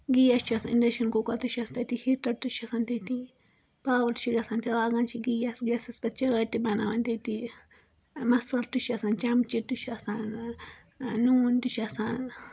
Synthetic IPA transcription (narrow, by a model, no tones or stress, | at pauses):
ɡijast͡ʃuasanindeʃonkokat̪uʃast̪at̪ihit̪at̪uʃasant̪at̪i | pablt̪u̥ʃiɡasant̪iɾaɡant͡ʃiɡijasɡesaspat͡ʃaɣat̪ibanawant̪et̪i | masalt̪uʃasant͡ʃamt͡ʃit̪uʃasan | nunt̪uʃasan